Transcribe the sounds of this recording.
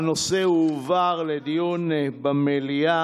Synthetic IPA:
noseuvaʁled̪ijunebamelia

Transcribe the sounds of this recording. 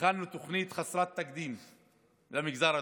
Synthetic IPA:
anːut̪oχnit̪χasɾˤat̪ːakd̪iːm | lamiɡzaɾa

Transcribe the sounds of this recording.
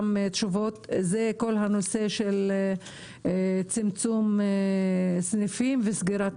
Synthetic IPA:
met̪ʃuvot̪zeko̞lɦanose̞ʃel | t͡simt͡sum | snifimvesɡiɾat

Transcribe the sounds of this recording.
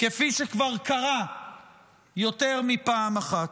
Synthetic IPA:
kefiʃekvaʁkaʁa | jo̞t̪e̞ʁmipaːmaχat̪

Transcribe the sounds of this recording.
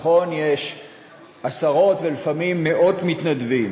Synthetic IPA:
χo̞njeʃ | ʔasaʁo̞t̪velifamimːe̞ʔo̞dmit̪nadvim

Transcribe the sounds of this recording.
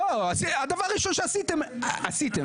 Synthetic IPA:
oasiad̪avaɾiʃonʃeasit̪emasit̪e

